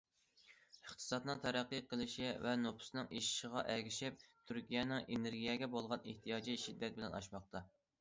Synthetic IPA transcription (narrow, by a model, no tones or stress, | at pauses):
əχt̪ʰɨ̥sɑt̪nɨŋt̪ʰæɾæqːiqʰəlˠɨʃivɛnopʰʊ̥snɨŋʔiʃi̥ʃəʁɑʔɛɡʲiʃɪp̚t̪ʰyɾkʲijɛnɪŋeneɾɡʲijɛɡʲɛbolˠʁɑneht̪ʰijɑːd͡ʒiʃid̪ːɛt̪̚bɪlɛnɑ̰ʃmɑχ̚t̪ɑ